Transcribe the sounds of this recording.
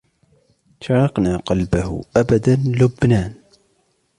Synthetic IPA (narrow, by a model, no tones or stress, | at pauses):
ʃɑɾˤɑqnaqɑlbahʔabad̪anlʊbnaːn